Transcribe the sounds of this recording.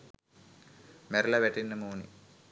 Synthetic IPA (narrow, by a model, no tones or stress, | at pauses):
meɾlɐʋeʈinːɐmuːnḭ